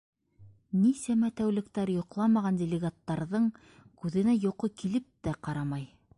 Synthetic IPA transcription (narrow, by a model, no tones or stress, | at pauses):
nisæmæt̪æwlɘ̆kt̪æɾjŏqlˠɑmɑʁɑndʲɪlʲɪɡat̪ːɑɾðɤɴ | kʉðɘ̆næjoqɤkilɘp̚t̪æqɑɾɑmɑj